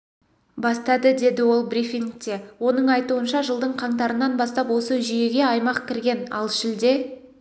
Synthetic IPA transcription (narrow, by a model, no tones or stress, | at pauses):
bɑst̪ɑd̪əd̪e̞d̪ɪwo̞lˠbɾifiŋk̚t̪e̞wo̞nəɴɑjt̪uənʃɑʒəlˠd̪əɴqʰɑɴt̪ɑɾənɑnbɑst̪ɑpwo̞səʒʏje̞ɡʲe̞ɑjmɑqkʲʰɪɾɡʲe̞nɑlˠʃɪld̪e̞